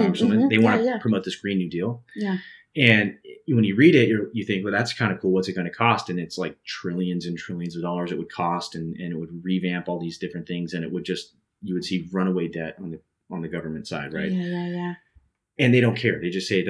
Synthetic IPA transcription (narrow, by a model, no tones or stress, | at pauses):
əsə̃ðeɪwɑ̃nəpʰɹ̥ɨmoʊt̪̚ðɨsɡ̥ɹĩnːʉdilˠ | ɨ̃nwə̃njɨɹiɾɪʔ̚jə˞jɨθɪ̃ŋkwðætskʰãɪ̃ndɨkʰulˠwʌtsɨt̚ɡ̥ʌ̃ɪ̃nɨkʰɔstɨ̃nɨtslaɪk̚tʰɹ̥ɪlˠjɨ̃nzɨ̃ntʰɹ̥ɪlˠjɨ̃nzʌvdɔlˠə˞zɨʔ̚wəd̚kʰɔstɨ̃nɨ̃nɨt̚wəd̚ɹivæ̃mpɔlˠðizdɪfɹɨ̃nθɪ̃ŋzɨ̃ñɨʔ̚wɨd̚d͡ʒʌst̚ | jɨwɨd̥siɹʌ̃ñəweɪdɛɾn̩ðɨ | n̩ðɨɡʌvə˞mɨ̃ntsaɪd̚ɹa̰ɪt̚ | ɨ̃nðeɪɾõʊ̃nkʰɛɹðeɪd͡ʒʌstseɪ